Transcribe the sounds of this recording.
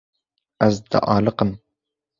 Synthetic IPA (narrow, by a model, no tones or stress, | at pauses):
æzd̪ɨ̰ʔɑːlɨqəm